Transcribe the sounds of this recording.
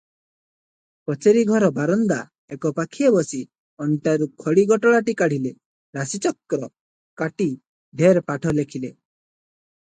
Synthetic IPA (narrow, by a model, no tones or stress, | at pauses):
pɔt͡ʃeɾiɡʱɔɾɔbaɾɔnd̪a | ekɔpakʰiɔbɔsi | ɔɳʈaɾukʰɔɽiɡɔʈɔɭaʈikaɽ̤ile | ɾasit͡ʃɔkːɾɔ | kaʈi | ɖʱeɾpaʈʰɔlekʰile